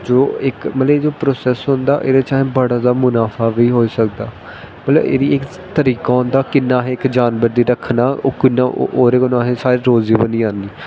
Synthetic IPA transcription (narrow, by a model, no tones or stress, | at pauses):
d͡ʒoːɪkmət̪ləed͡ʒoːpɾoːsɛːsɦʊ̃nd̪a̰ːʔḛːɾeːt͡ʃaːɦẽːbəɽaːd̪aːmʊnaːfʰaːʋiːɦoːiːsəkd̪a̰ː | mət̪lə̰bḛːɾiːɪk | t̪əɾiːkaːʊ̃nd̪aːkɪnːãːɦɛ̃ːɪkd͡ʒaːnbəɾd̪iːɾəkʰnaːkɪnːa̰ːʔoːɾeːkənãːɦẽːsaːɾiːɾoːziːbənĩːaːniː